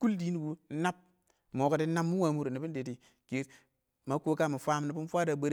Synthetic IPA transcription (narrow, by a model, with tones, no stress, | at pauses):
ku˦ldi˦n˦ɡu˨˦na˦p̚ | mo˨˦ka˨ti˦na˦mːu˦wa˨˦mu˦ɾni˨bi˦n˦de˨ti˨˦ | ke˨˦t | ma˨˦ko˦ka˦˨mi˨fʷa˦m˦ni˨bi˦n˦fʷa˦da˨be˦ɾ